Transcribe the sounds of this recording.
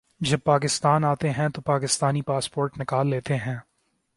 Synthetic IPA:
d͡ʒɐb̚paːkɪst̪aːnaːt̪eɦɛ̃t̪opaːkɪst̪aːnipaːspoːɾʈnɪkaːlːeːt̪eɦɛ̃ː

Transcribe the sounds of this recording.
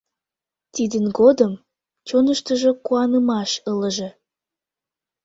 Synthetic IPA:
t̪id̪ənɡod̪əm | t͡ɕonəʃt̪əʒokuɑnəmɑʃələʒe

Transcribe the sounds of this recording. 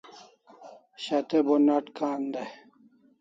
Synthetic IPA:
ɕɐt̪ebonɐʈkaːnd̪e

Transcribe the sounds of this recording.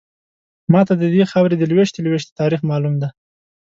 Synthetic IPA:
mɑt̪ad̪əd̪exawɾed̪əlweʃt̪elweʃt̪e̥t̪ɑɾixmɑlumd̪a

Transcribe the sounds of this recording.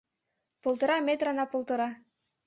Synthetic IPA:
polˠt̪ɤ̆ɾɑmʲet̪rɑnɑpolˠt̪ɤ̆ɾɑ

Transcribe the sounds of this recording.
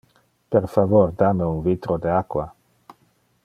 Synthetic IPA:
peɾfavoɾd̪ameunvit̪ɾod̪eakwa

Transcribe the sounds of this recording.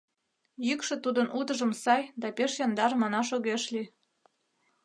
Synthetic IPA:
jykʃĕt̪ud̪ənʔud̪əʒəmsɑjd̪ɑpeʃjɑnd̪ɑɾmɑnɑʃoɣeʃli

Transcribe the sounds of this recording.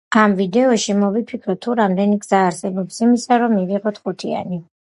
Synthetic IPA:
amvid̪ɛɔʃimɔvipʰikʰɾɔt̪ʰːuɾamd̪ɛniɡz̥aːɾsɛbɔpsimisaɾɔmːiviʁɔt̪ʰχut̪ʰia̰ni

